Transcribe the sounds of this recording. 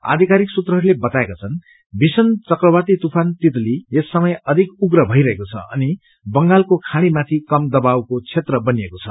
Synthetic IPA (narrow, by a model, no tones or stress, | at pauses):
a̰d̪ʱikaɾiksut̪rʌɦʌɾulebʌt̪aekat͡sʰʌn | bʱisʌnt͡sʌkrʌbart̪it̪upʰant̪it̪liesːʌmʌjʌd̪ʱikuɡɾʌbʱʌiɾʌɦekot͡sʰʌ̰ʌ̰ni | bʌŋɡalkokʰaɽ̃imat̪ʰikʌmd̪ʌbawkot͡sʰet̪rʌbʌnijekot͡sʰʌ̰